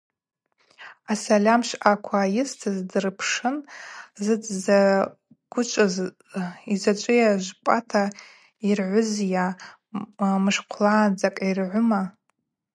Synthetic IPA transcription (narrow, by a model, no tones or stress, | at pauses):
asalʲamʃʷakʷʰaːjɪstʰɨzdɨrpʰʂɨnzɨd͡za | ɡ̥ʷʊt͡ʃʷʼaz | izat͡ʃʷʼʊjaʒʷpʼatʰa | irʕʷʊzja | mɨʂqʷʰlaːnd͡zʼakʼirʕʷʊma